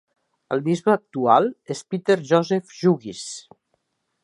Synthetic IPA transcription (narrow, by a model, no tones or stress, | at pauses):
ə̰lˠd̪izβəːk̚t̪ualˠespit̪eɾʒɔzɛfʒuɣis